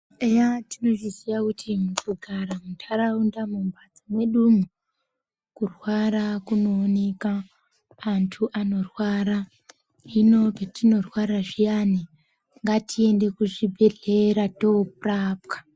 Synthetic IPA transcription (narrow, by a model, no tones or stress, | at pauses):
ejatino̞ʐiziʋakutʰimukuɡʱaɾamutʰaɾaundamumbad͡zamwe̞ɗumu | kurwaɾakuno̞ːne̞kaː | ntʰuʔano̞rwaːɾa | ino̞petino̞rwaɾaʐijani | ŋɡatʰie̞nde̞kuʐibʱe̞ɮeɾatopraːpkḁ